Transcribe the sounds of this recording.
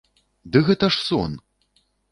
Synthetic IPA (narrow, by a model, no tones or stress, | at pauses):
d̪ɨɣɛt̪ɐʂsɔ̰n